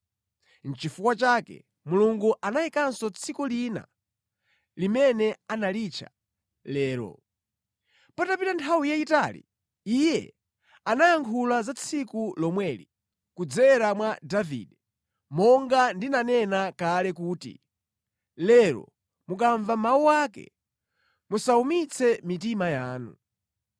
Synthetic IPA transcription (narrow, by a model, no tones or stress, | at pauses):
n̩t͡ʃifukwat͡ʃaːkɛ̰ | muluŋɡuʔanaikansɔt͡sʰikulina̰ | limɛnɛanalit͡ʃʰa̰ | lɛːɾɔ̰ | patapitantʰawijaitalḭ | ijɛ̰ | anajaŋkʰulazat͡sʰikulɔmwɛlḭ | kud͡zɛɾamwadavḭdɛ | mɔŋɡandinanɛnakalɛkuːtḭ | lɛɾɔ̰ | mukaɱvamauwaːkɛ̰ | musaumit͡sʰɛmitimajaːnṵ